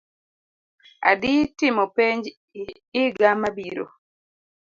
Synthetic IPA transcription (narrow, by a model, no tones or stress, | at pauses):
a̰ditɪmɔpeɲd͡ʒː | ɡamabiɾo̰